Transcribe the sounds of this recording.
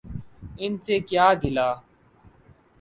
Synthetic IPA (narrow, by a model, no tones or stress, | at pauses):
ɪnseːkjaːɡʱɪlaː